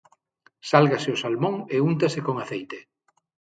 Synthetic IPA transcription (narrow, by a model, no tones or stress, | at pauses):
salɣasɪʊsalmõŋeunt̪asekoŋaθejt̪e